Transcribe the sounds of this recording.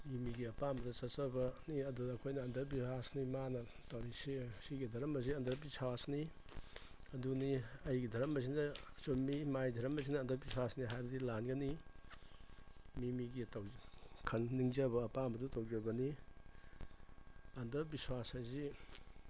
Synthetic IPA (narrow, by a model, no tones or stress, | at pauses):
imiɡiɐpambɐdɐsɐsɐbɐniɐdudɐːkʰojnɐːndɐɾbiasnimanɐ | tawɾisisiɡidʱɐɾɐmɐziɐndɐɾbisaasni | ɐduniɐjɡidʱɐɾɐmɐsinɐsomimajdʱɐɾɐmɐsinɐːndɐbiswasniɦajbɐdilanɡɐni | mimiɡitawkʰɐnːiŋzɐbɐːpambɐdutowɡiaɡɐni | ɐndɐbiswashajzi